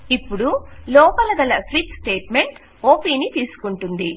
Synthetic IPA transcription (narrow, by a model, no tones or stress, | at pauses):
ipːuɽulɔːpɐlɐd̪ɐlɐsʋiʈsʈe̞ːʈme̞ɳʈ | oːpiːnit̪iːsu̥kuɳʈund̪i